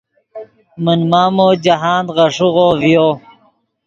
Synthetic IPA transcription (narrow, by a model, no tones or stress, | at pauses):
mənmaːmoːd͡ʑaɦaːnd̪ʁɐʂuɣovijoː